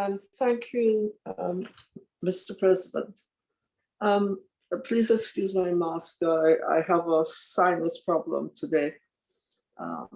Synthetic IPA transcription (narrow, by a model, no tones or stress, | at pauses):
ə̃nθæ̃ŋkʰjʉʌ | mɪstə˞pʰɹ̥ɛzɪdə̰̃nt | ʌ̃m | pʰl̥izɨkskjʉzmaɪmaskəaɪʔa̰ɪəvəsãɪ̃nðɪspʰɹ̥ɑblə̰̃mtʰɨdeɪ | ʔʌ̰̃